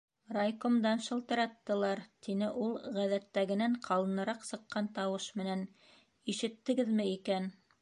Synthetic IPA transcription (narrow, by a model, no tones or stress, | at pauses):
rɑjkŏmd̪ɑnʃɤ̆lˠt̪ɤ̆ɾɑt̪ːɤ̆lˠɑɾt̪inɘʔulˠʁæðæt̪ːæɡɘ̆næɴqʰɑlˠɤ̆nɤ̆ɾɑqsɤ̆qːɑnt̪ɑwɤʃmɘ̆næn | iʃɘ̆t̪ːɘ̆ɡɘðmɘikæn